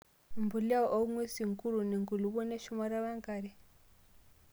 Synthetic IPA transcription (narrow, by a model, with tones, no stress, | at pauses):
mbu˨la˦ɔ˨ʔɔ˦ŋwe˦si˨ŋku˦ɾu˨ni˨ŋɡu˨lu˨βɔ˦ne˦ʃu˦ma˦ɾa˦βa˦ŋɡa˨ɾi˨